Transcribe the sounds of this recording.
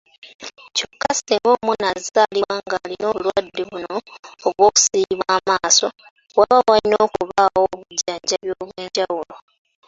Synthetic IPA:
cokːaseŋɡo̞ːmunazzaːliwaŋɡalino̞ːβulwadːeβuno̞ːβwo̞ːku̥siːβwaːmaːso̞ | waβawalinoːkuβawoβuɟːaːɲɟaβjoːβweːɲɟawulo

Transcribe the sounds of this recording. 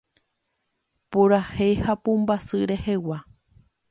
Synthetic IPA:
puɾahehapũmbasɨɾe̞hewa

